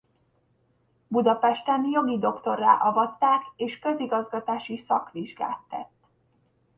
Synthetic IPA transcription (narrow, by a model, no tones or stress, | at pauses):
bud̪ɒpɛʃt̪ɛnjo̞ɡid̪o̞kt̪o̞rːa̰ːʔɒvɒt̪ːaːkeːʃkø̞ziɡɒzɡɒt̪aːʃisɒ̰kʋiʒɡa̰ːt̪ːɛ̰t̪ː